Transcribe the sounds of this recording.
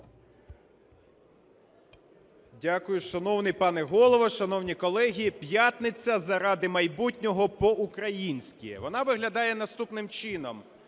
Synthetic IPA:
dʲakʊjʊʃɐnɔwnɪjpɑnɛɦɔlˠɔʋɔʃɐnɔwnʲikɔlˠɛɦʲipʲjat̪nɪt͡sʲːɐzɐɾɑd̪ɪmɐjbutʲnʲɔɦɔpɔʔukɾɐjinʲsʲkʲḭɛ̰ʋɔnɑʋɪɦlʲɐd̪ɑjɛn̪ɐst̪upnɪmt͡ʃɪnɔm

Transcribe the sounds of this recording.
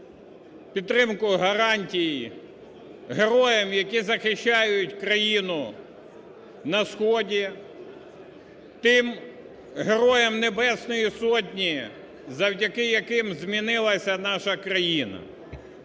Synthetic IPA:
pʲidt̪ːɾɪmkʊɦɐɾɑnʲtʲiji | ɦeɾɔjɛmjɐkizɐxɪʃt͡ʃːɑjʊtʲkɾɐjinʊ | nɐsxɔdʲi | t̪ɪm | ɦeɾɔjɛmnebɛsnɔjisɔt̬ʲnʲi | zɐwdʲɐkɪjɐkɪmzʲmʲinɪlˠɐsʲɐnɑʃɐkɾɐjinɐ̰

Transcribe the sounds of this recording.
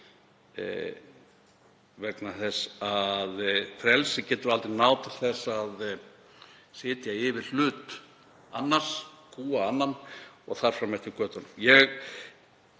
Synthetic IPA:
vɛknaθɛsaðfɾɛlsɪcɛːt̪ʏɾalt̪ɾɪnaːwt̪ʰɪlθɛsːað | sɪːt̪jaɪvɪɾ̥l̥ʏːt̪ | anːar̥s | kʰuːaanːanɔ̰ɣθaɾ̥fɾamɛht̪ɪɾkœːt̪anːʏmjɛɣ

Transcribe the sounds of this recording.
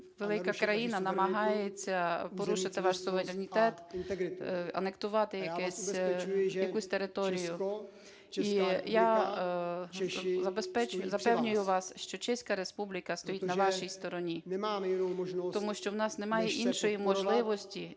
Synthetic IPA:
ʋelˠɪkɐkɾɐjinɐnɐmɐɦɑjet͡sʲːɐpɔɾuʃɪt̪ɪʋɑʃsʊʋeɾʲɾnʲit̪ɛt̪nɐ̰nekt̪ʊʋɑt̪ɪjɐkɛsʲ | jɐkusʲt̪eɾɪt̪ɔɾʲijʊ | ija | zɐbespɛt͡ʃʊjʊzɐpɛwnʲʊjʊʋɑsʃt͡ʃɔt͡ʃɛsʲkɐɾe̞spublʲikɐst̪ɔjitnɐʋɑʃijst̪ɔɾɔnʲinaːʒt̪ɔmuʃt͡ʃɔwnɑsnemɑjeʔinʃɔjimɔʒlˠɪʋɔsʲtʲi

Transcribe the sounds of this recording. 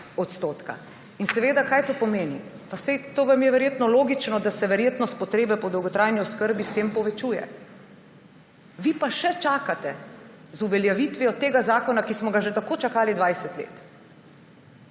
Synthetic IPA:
ɔt̪st̪oːt̪ka̰ | insɛʋeːd̪akajt̪oːpɔmeːni | pasɛjt̪oːʋamjɛʋɛɾjeːt̪nɔloːɡit͡ʃnɔd̪asɛʋɛɾjeːt̪nɔst̪pɔt̪ɾeːbɛpɔd̪ɔwɡɔt̪ɾajniɔskəɾbist̪eːmpɔʋɛt͡ʃujɛ̰ | ʋipaʃɛt͡ʃaːkat̪ɛ | zuʋɛljaʋit̪ʋiɔt̪ːeːɡazaːkɔnakismɔɡaʒɛt̪akoːt͡ʃakaːlid̪ʋajsɛt̪lḛːt̪

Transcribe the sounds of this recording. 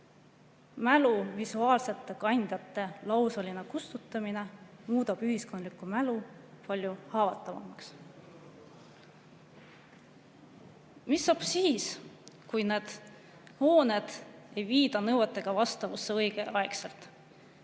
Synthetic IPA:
mæluvisuɑːlse̞t̪ːˑe̞kɑjnʲd̪̥jɑt̪ːˑe̞lɑwsɑlinekust̪ut̪ːˑɑmine̞muːd̪̥ɑb̥yɦisko̞nd̪likːˑumælu | pɑlʲjuhɑːvɑt̪ːˑɑvɑ̰mɑks | misːɑb̥siːskujne̞ːd̪̥ | ho̞ːned̪̥e̞jviːd̪ɑnɤwɑt̪ːˑe̞ɡ̥ɑvɑst̪ɑvusːeɤjɡ̥e̞ʔɑekselt̪ˑ

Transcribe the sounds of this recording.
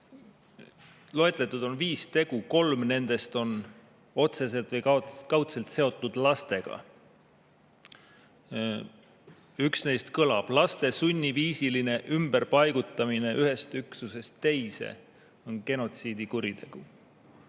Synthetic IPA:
lo̞e̞t̪ˑlet̪ːˑud̪̥o̞nviːst̪e̞ɡ̥uko̞lmne̞nd̪̥e̞st̪o̞n | o̞t̪se̞se̞lt̪vɤjkkɑwt̪se̞lt̪se̞o̞t̪ːˑud̪̥lɑst̪e̞ɡ̥ɑ̰ | yksne̞jst̪kɤlɑb̥lɑst̪e̞sunʲːiviːsiline̞ʔymb̥eɾpɑjɡ̥ut̪ːˑɑmine̞ʔyɦe̞st̪yksuse̞st̪ːe̞jse̞̰ | o̞nke̞no̞t̪siːd̪̥ikuɾit̪e̞ɡ̥u

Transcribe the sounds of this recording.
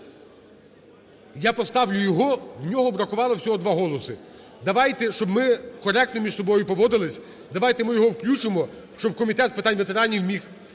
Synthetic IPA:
japɔst̪ɑwlʲʊjɔɦɔwnʲɔɦɔbɾɐkʊʋɑlˠɔwsʲɔɦɔd̪ʋɑɦɔlˠɔsɪ | d̪ɐʋɑjt̪ɛʃt͡ʃɔbmɪkɔɾɛk̚t̪nɔmʲiʃsɔbɔjʊpɔʋɔd̪ɪlˠɪsʲ | d̪ɐʋɑjt̪emɪjɔɦɔwklʲut͡ʃɪmɔ | ʃt͡ʃɔb̚kɔmʲit̪ɛt̪zpɪt̪ɑnʲʋet̪e̞ɾɑnʲiwmʲix

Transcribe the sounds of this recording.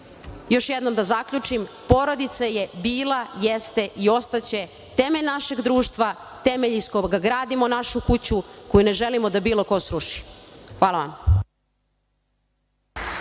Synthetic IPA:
jo̞ʃjed̪no̞md̪azakʎut͡ʂim | po̞ɾo̞d̪it̪saje̞biːlˠajest̪e̞ʔio̞st̪at͡ɕe̞ | t̪e̞meʎnaʃeɡd̪ɾuːʃt̪ʋa | t̪e̞me̞ʎiskoɡaɡɾaːd̪imo̞naʃukut͡ɕukojune̞ʒelimo̞d̪abiːlo̞ko̞sɾuʃi̥xʋaːlaʋa̰m

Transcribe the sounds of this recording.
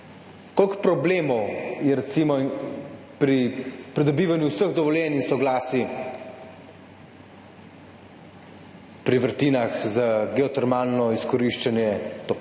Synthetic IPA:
kolkpɾɔbleːmɔwjɛɾɛt̪simɔ | pɾipɾid̪ɔbiːʋanjuwsəɣd̪ɔʋɔljɛːninsɔɡlaːsi | pɾiʋəɾt̪inaxzaɡɛɔt̪ɛɾmaːlnɔiskɔɾiʃt͡ʃanjɛt̪op

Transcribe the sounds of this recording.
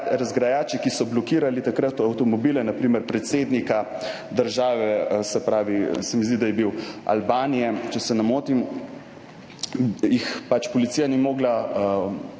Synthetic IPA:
ɾazɡɾajaːt͡ʃikisɔblɔkiːɾalit̪akɾat̪awt̪ɔmɔbiːlɛnapɾiːmɛɾpɾɛt̪seːd̪nika | d̪əɾʒaːʋɛsɛpɾaːʋisɛmizd̪id̪ajɛbiwa̰lbaːnijɛt͡ʃɛsɛnamoːt̪im | jixpat͡ʃpɔlit̪sijanimoːɡla

